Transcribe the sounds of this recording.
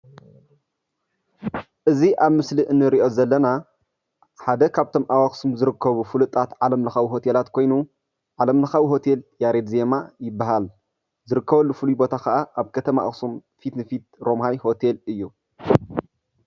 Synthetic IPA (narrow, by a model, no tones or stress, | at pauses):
ʔɨziʔaβmɨsliʔɨnːɨɾiʔo̞zɐlːɐna | ħad̪ɐkʰaβt̪ʰo̞mʔawaxsumzɨɾɨkʰːɐβufulut̪ʼːat̪ʕalɐmlɐxawiɦo̞t̪ʰe̞lat̪kʰo̞jnu | ʕalɐmlɐxawiɦo̞t̪ʰe̞ljaɾed̪ze̞majɪbːaɦal | zɨɾɨkːɐβɐlːufɨlujbo̞t̪ʰaxɐʔaʔaβkʰɐt̪ʰɐma̰ʔxsumfit̪nɨfit̪̚ɾo̞mhajho̞t̪ʰe̞lɨjːu